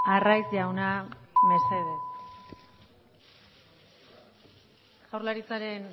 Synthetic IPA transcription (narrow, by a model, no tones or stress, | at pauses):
arajzʎawname̞se̞ðes | ɣ̥awrlaɾit͡saɾe̞n